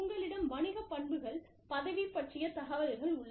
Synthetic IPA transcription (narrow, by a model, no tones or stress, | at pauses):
ʊŋɡɐɭɪɽɐmʋɐɳɪɣɐpːɐɳbɯɣɐɭ | pɐðɐʋipːɐʈt͡ʃɪjɐt̪ɐɣɐʋɐɾɐɾɣɐɭʊɭːɐ